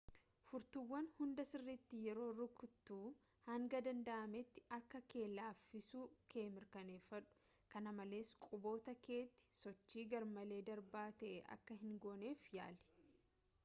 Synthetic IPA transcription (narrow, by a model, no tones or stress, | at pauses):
fʊɾt̪ʊwːɐnhʊnd̪ɐsɪrːɪt̪ːɪjɛɾo̞ːrʊkʊt̪ːuː | hɐŋɡɐd̪ɐnd̪ɐʔɐmɛt̪ːɪ̥ɐɾkɐke̞ːlaːfːɪsuːkʰe̞ːmɪɾkɐneːfɐᶑʊ̥ | kɐnɐmɐle̞ːskʼʊbo̞ːt̪ɐke̞ːt̪ːɪ̥sɔt͡ʃːiːɡɐɾmɐle̞ːd̪ɐɾbaːt̪ɐʔɛʔɐ̰kːɐɦɪŋɡo̞ːne̞ːfja̰ːlɛ̥